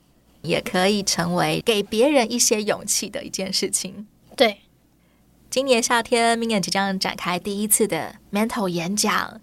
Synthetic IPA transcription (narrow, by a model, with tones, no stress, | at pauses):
jɛ̰˨˩kʰɤ˧˥i˨˩ʈ͡ʂʰɤ˧˥ŋwe˧˥ɪke˨˩ɪpjɛ˧˥ɻə˧˥ni˥˩ɕjɛ˥jʊ˨˩ŋt͡ɕʰi˥˩d̪ə̰˩ʔḭ˧˥t͡ɕjɛ˥˧nʂɻ̩˥˩t͡ɕʰi˨˩˦ŋ | t̪we˥˩ɪ | t͡ɕi˥nnjɛ˧˥nɕja˥˩t̪ʰjɛ˥nmi˧˥ŋjɛ˨˩nt͡ɕi˧˥t͡ɕjɑ˥˩ŋʈ͡ʂa̰˨˩nkʰa˥ɪt̪i˥˩i˥t͡sʰɹ̩˥˩d̪ə̰˩mɛ˧˥nt̪ʰo˧˩ʊjɛ˧˥nt͡ɕjɑ̰˨˩˦ŋ